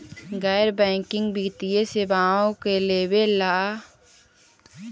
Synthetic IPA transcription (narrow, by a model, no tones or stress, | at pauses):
ɡɛːɾbɛ̃ːŋkɪ̃ŋɡbiɡt̪ijesebaːõkeleːbelaː